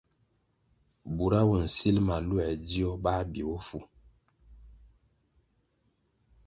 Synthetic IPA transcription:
bu˨ɾa˦wu˨n̩˨si˦lma˨lu˦ɛ˨di˦ɔ˦ba˦bi˨wo˦fu˦

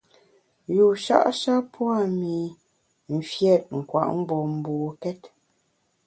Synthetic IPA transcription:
ju˨ʃa̰˦ʔʃa˦pwa˦˨mi˨ | m̩˨fjɛ˦˨t̚ŋ̩˨kwa̰˨ʔm̩˦bɔ˨m̩˨buː˨kɛ˦t

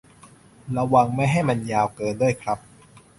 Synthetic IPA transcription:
ɾa˧wa˧˩ŋma˥˩jɦa˥˩jma˧njaː˧wkɤː˧ndu˥˩əjkʰɾa˦˥p̚

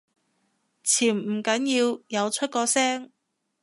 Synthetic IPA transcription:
t͡sʰiː˨˩m̩˨˩kɐ˨˥njiː˧wjɐ˨˧wt͡ʃʰɵ˥t̚kɔː˧sɛː˥ŋ

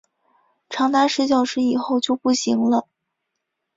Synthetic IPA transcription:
ʈ͡ʂʰɑ˧˥ŋt̪a˥ʂɻ̩˥˧ɕ̬jɑ˥˩ʊʂɻ̩˥i˨˩xo˥˧ʊt͡ɕjo˥˧ʊpu˥˩ɕi˧˥ŋlə˧

